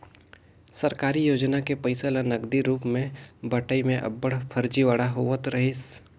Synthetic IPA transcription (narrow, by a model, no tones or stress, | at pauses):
sɐɾkaːɾijoːd͡ʒnakepəɪsəlanɐɡd̪iɾuːpmẽbəʈəimẽʔɐ̰bːəɽpʰəɾd͡ʒiʋaɽaɦoʋət̪ɾɐɦɪs